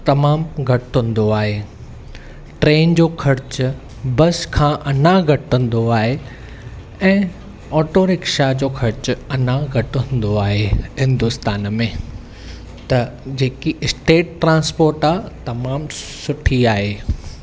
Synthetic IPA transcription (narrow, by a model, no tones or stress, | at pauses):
t̪ɐmaːmɡʱɐʈɦʊ̃n̆d̪oaːɦeː | ʈɾeːnd͡ʑoːkʰɐɾt͡ɕʊ | bɐskʰãːʔɐnãɡʱɐʈə̃n̆d̪oaːɦe | ɛ̃ː | ɔːʈoːɾɪkʃad͡ʑoːkʰɐɾt͡ɕʊɐnaɡʱɐʈəʊ̃nd̪oaːɦeɦɪ̃nd̪ʊst̪aːnmẽ | t̪ɐd͡ʑeːkiɪsʈeːʈ̚ːɾãːnspoːɾʈaːt̪ɐmaːmsʊʈʰiaːɦeː